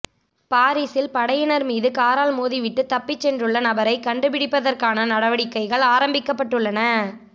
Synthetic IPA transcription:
paːɾiːsɪlpɐɽɐjɪnɐɾmiːðɯkaːɾaːlmoːðiʋɪʈːɯt̪ɐpːɪt͡ʃːɛndrɯɭːɐnɐbɐɾɐɪkɐɳɖɯpɪɽɪpːɐðɐrkaːnɐnɐɽɐʋɐɽɪkːɐɪɣɐɭaːɾɐmbɪkːɐpːɐʈːɯɭːɐnɐ

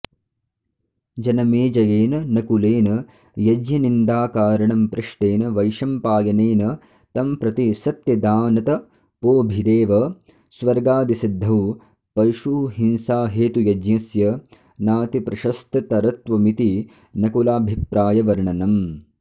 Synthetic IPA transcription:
d͡ʒɐnɐmeːd͡ʒɐjeːnɐnɐkuleːnɐ | jɐd͡ʒɲɐnind̪aːkaːɾɐɳɐmpɾɪʂʈeːnɐʋɐjʃɐmpaːjɐneːnɐ | t̪ɐmpɾɐt̪isɐt̪jɐd̪aːnɐt̪ɐ | poːbʱiɾeːʋɐ | sʋɐɾɡaːd̪isid̪ʱːɐʋ | pɐɾʃuːɦinsaːɦeːt̪ujɐd͡ʒjɐsjɐ | naːt̪ipɾɐʃɐst̪ɐt̪ɐɾɐt̪ʋɐmit̪i | nɐkulaːbʱipɾaːjɐʋɐɾɳɐnɐm

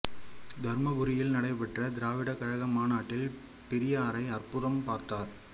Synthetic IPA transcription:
d̪ʱɐɾmɐbʊɾɪjɪlnɐɽɐɪpːɐʈrɐd̪ɪɾaːʋɪɽɐkɐɻɐɣɐmaːnaːʈːɪl | pɛɾɪjɐːɾɐɪɐrpʊɾɐmpaːɾt̪aːɾ

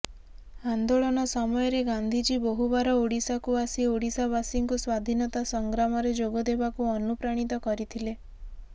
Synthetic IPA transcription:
and̪oɭɔñɔsɔmɔjɔɾeɡand̪ʱid͡ʒibɔɦubaɾɔoɽisakuasioɽisabasiŋkuswad̪ʱinɔt̪asɔŋɡɾamɔɾed͡ʒoɡɔd̪ebakuɔnupɾaɽ̃it̪ɔkɔɾit̪ʰile

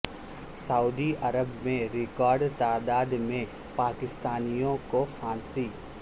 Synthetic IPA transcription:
sɐuːd̪iɐɾəbmẽɾɪkɔːɾɖt̪aːd̪aːd̪mẽ | paːkɪst̪aːnijõkofʰãːnsiː

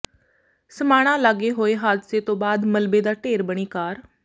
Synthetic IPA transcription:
səmaːɽ̃ãːlaɡeːɦoːeːɦaːd̪seːt̪õːbaːd̪məlbeːd̪aːʈeːɾbəɽ̃iːkaːɾ

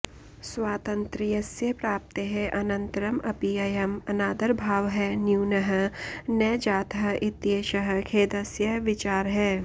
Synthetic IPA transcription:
swaːt̪ɐ̃nt̪ɾijɐsjɐpɾaːp̚t̪əɦɛ̃ʔɐnɐ̃nt̪ɾɐmɐpijɐjɐmɐnaːd̪ɐɾbʱaːʋɦɛnjuːnɐɦə̆nɛːd͡ʒaːt̪ɦɐʔɪt̪jeːʃɐɦə̆kʰeːd̪ɐsjɐʋɪt͡ʃaːɾɦɛː

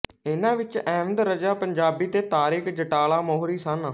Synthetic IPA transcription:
ɪnãːʋɪt͡ʃɛːʋənd̪ɾəd͡ʒaːpəɲd͡ʒaːbiːt̪eːt̪aːɾɪkd͡ʒəʈaːlaːmoːɦɾiːsən

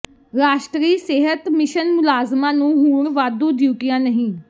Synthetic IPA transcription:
ɾaːʃʈɾiːseːɦət̪mɪʃənmʊlaːzmãːnũːɦuːɳʋaːd̪ũːd̪iuʈijãːnəɦĩː

